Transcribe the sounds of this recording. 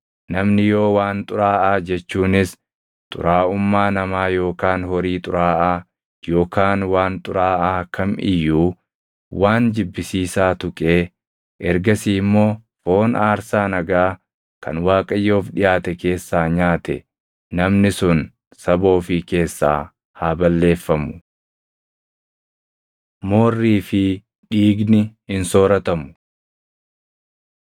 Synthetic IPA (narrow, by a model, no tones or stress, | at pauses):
nɐmnɪjo̞ːwaːnt̪ʼʊɾaːʔaːd͡ʒɛt͡ʃːuːnɪs | t̪ʼʊ̰ɾaːʔʊmːaːnɐmaːjo̞ːkaːnhɔɾiːt̪ʼʊɾaːʔaː | jo̞ːkaːnwaːnt̪ʼʊɾaːʔaːkʰɐmʔɪ̰jːuː | waːnd͡ʒɪbːɪsiːsaːt̪ʊkʼeː | ʔɛɾɡɐsiːmːo̞ː | fo̞ːnaːɾsaːnɐɡaː | kɐ̰nwaːkʼɐjːoːfᶑɪjaːt̪ɛke̞ːsːaːɲaːt̪ɛ̰ | nɐmnɪsʊn | sɐbo̞ːfɪke̞ːsːa̰ː | haːbɐlːe̞ːfːɐmʊ̥ | mo̞ːrːiːfɪ | ᶑiːɡnɪhɪnso̞ːɾɐt̪ɐmʊ̥